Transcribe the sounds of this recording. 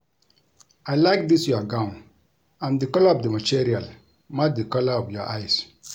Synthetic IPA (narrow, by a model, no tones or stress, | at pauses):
ajlaɪk̚disjɔaɡãʊ̃n | ãndikɔlaɔvdəmatiɾial | mak̚dikɔlaɔfjɔʔajs